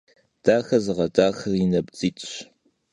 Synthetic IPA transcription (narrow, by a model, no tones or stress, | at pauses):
d̥aːxɐzɨʁɐdaːxɐrinɐbt͡sʼiːtʼɕ